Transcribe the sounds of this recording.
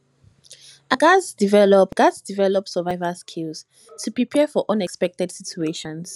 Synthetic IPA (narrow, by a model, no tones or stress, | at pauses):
ʔaɡasdivɛlɔpɡ̥asdivɛlɔpsəvajvəskʰils | tʰupɹipʰɛfɔʔɔ̃nɛkspɛk̚tɛd̥sitʰueʃɔ̃ns